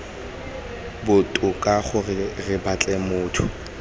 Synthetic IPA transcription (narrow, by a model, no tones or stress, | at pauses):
bʊtʼʊkʼaχʊrɪrɪbat͡ɬʼɛmʊːtʰʊ̰